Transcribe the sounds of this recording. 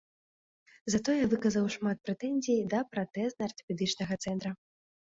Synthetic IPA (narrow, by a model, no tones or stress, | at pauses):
zɐt̪ɔjɛvɨkɐzɐwʂmat̪̚pɾɛt̪ɛnʲzʲijd̪ɐpɾat̪ɛznɐɐrt̪ɐ̥pʲɛd̪ɨt͡ʂnɐɣɐt̪sɛnt̪ɾɐ